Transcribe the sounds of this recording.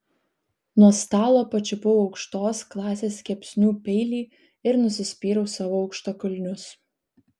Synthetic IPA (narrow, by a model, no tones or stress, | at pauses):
nuɔst̪ɑːlˠoːpɐt͡ʃʲʊbʊʋoɒʊkʃt̪oːsklˠɑːsʲeːsʲkʲɛpʲsʲnʲuːpʲɛɪlʲiː | ɪɾnʊsʲɪsʲpʲiːɾɐʊsɑːʋoɔʊkʃt̪okʊlʲnʲʊs